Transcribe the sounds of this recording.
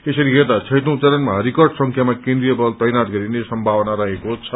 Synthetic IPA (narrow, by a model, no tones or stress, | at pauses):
esʌɾiɦet̪at͡sʰʌjt̪õw̃t͡sʌɾʌnmaɾikʌrɖsʌ̃ŋkʰjamakẽnd̪ɾijʌbʌlt̪ʌjnat̪ɡʌɾinesʌmbʱawʌnaɾʌɦekot͡sʰʌ